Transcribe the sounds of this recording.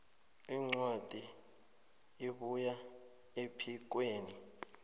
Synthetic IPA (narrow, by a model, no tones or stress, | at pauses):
iŋ͡ǀwad̥ʱi | iɓuja | epʰik̬weːni